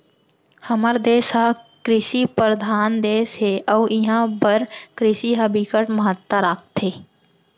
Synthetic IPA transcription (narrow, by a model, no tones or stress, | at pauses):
həməɾd̪eːsɦakɾɪsipəɾəd̪ʱaːnd̪eːsɦeʔɔːɪɦãbəɾkɾɪsiɦəbikəʈməɦət̪ːəɾaːkt̪ɦeː